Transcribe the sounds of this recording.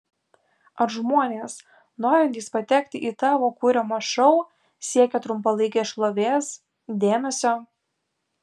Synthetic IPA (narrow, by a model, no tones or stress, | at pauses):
ɐɾʒmuɔnʲeːs | noːɾʲɛnt̪ʲiːspɐt̪ʲɛkʲt̪ʲɪʔiːt̪ɑːʋoːkʊɾʲɛmɐʃɐʊ | sʲiɛkʲɛt̪ɾʊmpɐlˠɐɪkʲeʃlˠoʋʲeːs | d̪ʲeːmʲɛsʲoː